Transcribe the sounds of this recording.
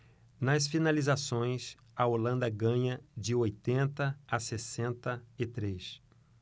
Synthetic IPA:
nɐsfinalizasõj̃s | ɐolɐ̃nd̪ɐɡɐ̃ɲɐd͡ʒɪojt̪ẽnt̪ɐasesẽnt̪ɐɪt̪ɾes

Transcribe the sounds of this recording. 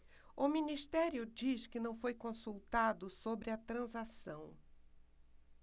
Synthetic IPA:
ʊminist̪ɛɾjʊd͡ʒiʃkɪnɐ̃w̃fojkõsuwt̪ad̪ʊsobɾɪɐt̪ɾɐ̃zasɐ̰̃w̃

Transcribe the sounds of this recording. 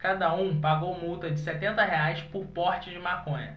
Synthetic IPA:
kad̪ɐũpaɡowmuwt̪ɐd͡ʒɪsɛt̪ẽnt̪ɐɦeajspʊɾpɔht͡ʃɪd͡ʒɪmakõɲɐ

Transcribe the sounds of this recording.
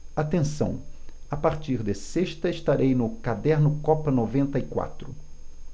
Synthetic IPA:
at̪ẽsɐ̰̃w̃ | apaɾt͡ʃ̪iɾd̪eseʃt̪ɐɪʃt̪aɾejnʊkad̪ɛɾnʊkɔpɐnovẽnt̪ɐikwa̰t̪ɾʊ

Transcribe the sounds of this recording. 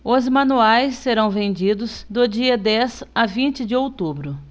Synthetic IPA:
ʊzmɐ̃nuajsːeɾɐ̃w̃vẽnd͡ʒid̪ʊzd̪ʊd͡ʒiɐd̪ɛzavĩnt͡ʃɪd͡ʒɪowt̪ubɾʊ

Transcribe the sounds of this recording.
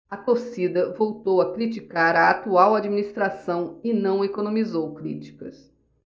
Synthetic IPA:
ɐt̪osid̪ɐvowt̪owɐkɾit͡ʃikaɾɐat̪uawad͡ʒiminist̪ɾasɐ̃w̃ɪnɐ̃w̃ekonõmizowkɾḭt͡ʃi̥kɐs

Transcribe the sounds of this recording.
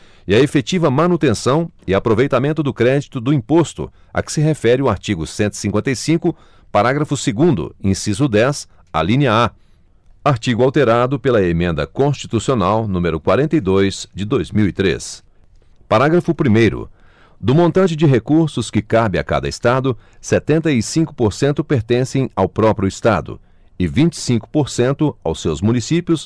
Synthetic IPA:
ɪɐefet͡ʃivɐmɐ̃nut̪ẽsɐ̃w̃ɪapɾovejt̪amẽnt̪ʊd̪ʊkɾɛd͡ʒit̪ʊd̪ʊĩpost̪ʊ̰ | ɐ̰kɪ̥sɪɦefɛɾɪʊaɾt͡ʃiɡʊsẽnt̪ʊi̥sĩŋkwẽnt̪ɐjsĩkʊ | paɾaɡɾɐfʊseɡũnd̪ʊ̰ẽsizʊd̪ɛs | a̰lĩniɐa | aɾt͡ʃiɡʊawt̪eɾad̪ʊpelɐemẽnd̪ɐ̰kõst͡ʃi̥t̪usionawnũmeɾʊkwaɾẽnt̪ejd̪ojz̥d͡ʒɪd̪ojzmiwit̪ɾḛs | paɾaɡɾɐfʊpɾimejɾʊ̰ | d̪ʊmõnt̪ɐ̃nt͡ʃɪd͡ʒɪɦekuɾsʊskɪkabɪa̰ka̰d̪ɐɪst̪ad̪ʊset̪ẽnt̪ɐisĩŋkʊ̥poɾsẽnt̪ʊpeɾt̪ẽsẽj̃awpɾɔpɾjʊɪst̪a̰d̪ʊ̰ | ɪvĩnt͡ʃɪ̥sĩŋkʊ̥poɾsẽnt̪ʊa̰wsewzmũnisipjʊs

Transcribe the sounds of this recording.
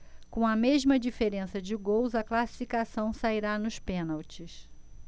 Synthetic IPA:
kõw̃ɐmeʒmɐd͡ʒifeɾẽsɐd͡ʒɪɡowzɐklasi̥fikasɐ̃w̃saiɾanʊʃpẽnawt͡ʃɪs

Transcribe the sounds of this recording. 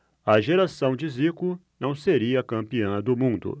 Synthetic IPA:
ɐʒeɾasɐ̃w̃d͡ʒɪzikʊnɐ̃w̃seɾiɐkɐ̃mpiɐ̃d̪ʊmũnd̪ʊ̰

